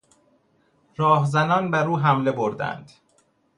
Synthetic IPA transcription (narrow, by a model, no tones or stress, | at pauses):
ɾɒːhzænɒːnbæɾuːɦæmle̞boɾd̪æ̰nd̪̥